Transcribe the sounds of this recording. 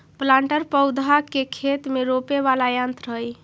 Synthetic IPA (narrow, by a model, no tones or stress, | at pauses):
plãɳʈəɾpəwd̪ʱakekʰet̪meɾopeβalajãnt̪ɾəɦj